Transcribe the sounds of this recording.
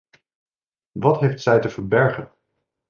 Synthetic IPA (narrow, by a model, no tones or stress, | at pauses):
ʋɑtɦejftsɛjtəvəɹbɛɹχən